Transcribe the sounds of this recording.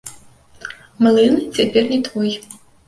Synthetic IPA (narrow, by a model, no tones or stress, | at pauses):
mɨlˠɨnɨt͡sʲepʲernʲit̪ʰɔj